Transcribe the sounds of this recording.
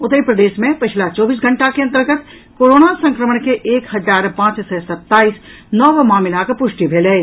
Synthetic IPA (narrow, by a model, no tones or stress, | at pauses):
ʊt̪əipɾəd̪eːʃmẽpɪt͡ʃʰlat͡ʃɔːbiːs̬ɡʱə̃ɳʈakeɐ̃nt̪əɾɡət̪ | koːɾoːnasə̃ŋkɾəməɳkeʔeːkhɐzaːɾpãːt͡ʃsɛsɐt̪ːaːiːs | nɔːʋmaːmɪlakpʊʃʈibʱeːle